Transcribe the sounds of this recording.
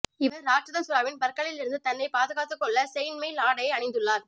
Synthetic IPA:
ɪʋɐɾːaːʈɾɐðɐsʊɾaːʋɪnpɐɾkːɐɭɪlɪɾɯnd̪ɯt̪ɐnːɐɪpaːðɯɣaːt̪ːɯkːɔɭːɐsɛjnmɐɪlaːɽɐjɐɪɐɳɪnd̪ɯɭːaːɾ

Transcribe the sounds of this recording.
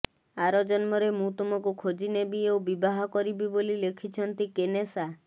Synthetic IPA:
aɾɔd͡ʒɔnmɔɾemũt̪umɔkukʰod͡ʒinebiobibaɦɔkɔɾibibolilekʰit͡ʃʰɔnt̪ikenesa

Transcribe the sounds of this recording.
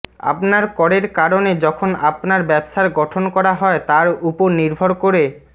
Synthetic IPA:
a̰pnaɾkɔɾeɾkaɾoned͡ʑɔkʰonapnaɾbɛbʃaɾɡɔʈʰonkɔɾaɦɔet̪aɾupoɾniɾbʱoɾkoɾe

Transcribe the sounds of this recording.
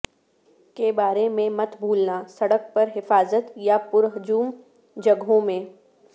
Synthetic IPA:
kebaːɾemẽmɐt̪bʱuːlnasɐɽək̚pɐɾɦɪfaːzət̪japʊɾɦʊd͡ʒuːm | d͡ʒɐɡõmẽː

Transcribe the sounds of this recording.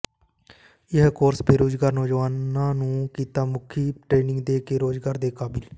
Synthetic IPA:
ɪɦkoːɾsbeːɾoːd͡ʒɡaːɾnɔːd͡ʒʋaːnaːnũːkiːt̪aːmʊkʰiːʈɾeːnɪŋɡd̪eːkeːɾoːd͡ʒɡaːɾd̪eːkaːbɪl

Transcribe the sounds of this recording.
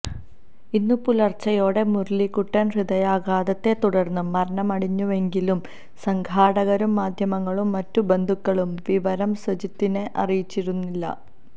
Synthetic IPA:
inːupulɐrt͡ɕɐjo̞ːɽe̞murlikuʈːɐnriðɐjaːɡaːðɐt̪ːe̞t̪uɽɐrnːuːɐɾɐɳɐmɐɽiɲːuʋe̞ŋɡilum | sɐŋɡʱaːɽɐɣɐɾumːaːd̪ʱjɐmɐŋːɐɭumːɐtːube̞nd̪ʱukːɐɭumʋiʋɐɾɐmsʋɐt͡ɕit̪ːineʔɐ̰rijit͡ɕːiɾunːilːɐ̰

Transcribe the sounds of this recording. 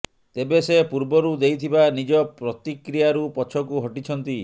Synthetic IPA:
t̪ebesepuɾbɔɾud̪ejt̪ʰibanid͡ʒɔpɾɔt̪ikɾijaɾupɔt͡ʃʰɔkuɦɔʈit͡ʃʰɔnt̪i

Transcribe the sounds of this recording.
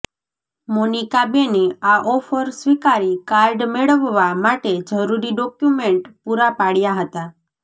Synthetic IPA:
monikabeneaʔɔfəɾsʋikaɾikaɾɖmeɭəʋːamaʈed͡ʒəɾuɾiɖɔkjumeɳʈpuɾapaɽjaɦət̪a

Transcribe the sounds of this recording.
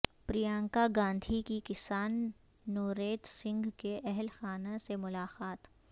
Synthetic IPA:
pɾijãːŋkaɡãːnd̪ʱikikɪsaːnː | oːɾeːt̪sɪ̃ŋɡkeʔɛɦlxaːnasemʊlaːqaːt̪

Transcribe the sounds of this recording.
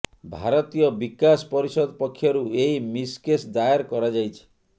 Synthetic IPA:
bʱaɾɔt̪ijɔbikaspɔɾisɔd̪ɔpɔkʰːjɔɾuejmiskesd̪ajeɾkɔɾad͡ʒajt͡ʃʰi̥

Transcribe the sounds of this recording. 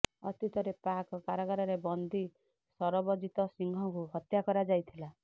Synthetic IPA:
ɔt̪it̪ʰɔɾepakɔkaɾaɡaɾɔɾebɔnd̪ʱi | sɔɾɔbɔd͡ʒit̪ɔsiŋɡʱɔkuɦɔt̪jakɔɾad͡ʒajt̪ʰila

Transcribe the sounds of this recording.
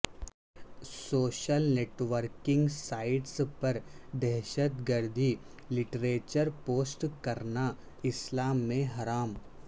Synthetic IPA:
soːʃəlneːʈʋəɾkɪ̃ŋɡsaːɪʈspɐɾd̪ɛɦʃət̪ɡəɾd̪ʱi | lɪʈɾeːt͡ʃəɾpoːsʈkɐɾna | ɪslaːmːẽɦɐɾaːm

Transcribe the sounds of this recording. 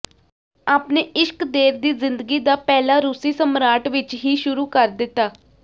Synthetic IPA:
aːpneːʔɪʃkd̪eːɾd̪iːzɪnd̪əɡiːd̪aːpɛːlaːɾʊsiːsəmɾaːʈʋɪt͡ʃɦiːʃʊɾuːkəɾd̪ɪt̪ːaː

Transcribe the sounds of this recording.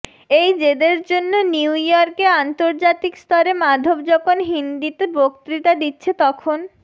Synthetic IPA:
ejd͡ʑed̪eɾd͡ʑonːoniwjɔɾkeant̪oɾd͡ʑat̪ikst̪ɔɾemad̪ʱobd͡ʑɔkʰonɦind̪it̪ebok̚t̪ɾiʈad̪itːɕʰet̪ɔkʰon

